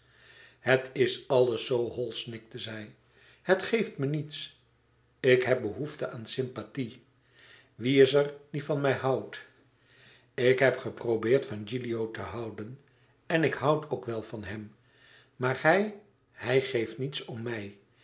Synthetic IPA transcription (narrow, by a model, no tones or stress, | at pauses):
hətʰɪsɑlˠəsːowɦɔlˠsnɪk̚təzɛj | hətχejftmənits | ɪkɦɛp̚bəɦuftəaːnsɪmpati | ʋiɪsərdifɑnmɛjɦɑwt | ɪkɦɛpχəprobɪːɹtfɑnd͡ʒiliowtəɦɑwdən | ɛnɪkɦʌwtʰoʊkʋɛlˠvɑnɦɛm | maːɹhɛj | hɛjχejftnitsɔmːɛj